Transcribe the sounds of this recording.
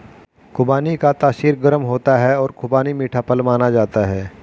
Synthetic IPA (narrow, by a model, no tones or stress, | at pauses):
kʊbaːnikat̪aːʃiːɾɡəɾəmɦoːt̪aɦɛɔːɾkʊbaːnimiːʈʰapəlmaːnad͡ʒaːt̪aɦɛː